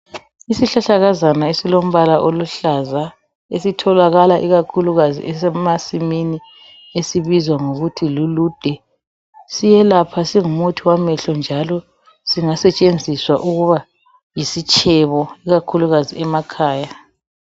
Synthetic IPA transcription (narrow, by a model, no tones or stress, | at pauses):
isiɬaɬaɣazanaesilom̩βalaʔoluɬaza | esitʰɔlaɣalaʔiɣakʰuluɣazḭʔɛsɛmasimini | esiβizwaŋoɣutʰilulud̥ʱɛ | sijɛlapʰasiŋumutʰiwamɛɬɔnd͡ʒʱalɔ | siŋasɛt͡ʃʼend͡zʱiswa̰ʔuɣuβa | jisit͡ʃʼʰɛβɔiɣakʰuluɣaziɛmakʰaːja